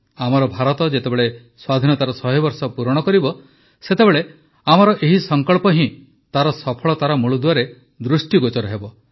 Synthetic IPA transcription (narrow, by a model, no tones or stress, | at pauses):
amɔɾɔbʱaɾɔt̪ɔd͡ʒet̪ebeɭe | swad̪ʱinɔt̪aɾɔsɔɦɔbɔɾsɔpuɾɔɽ̃ɔkɔɾibɔ | set̪ebeɭe | amɔɾɔʔeɦisɔŋkɔɭpɔɦĩ | t̪aɾɔsɔpʰɔɭɔt̪aɾɔmuɭud̪uwaɾe | d̪ɾusʈiɡot͡ʃɔɾɔɦebɔ